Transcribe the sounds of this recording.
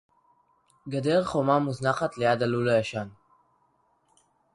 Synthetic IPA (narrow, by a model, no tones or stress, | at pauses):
ɡadeʁχomamuznaχat̪lejad̪alulajaʃan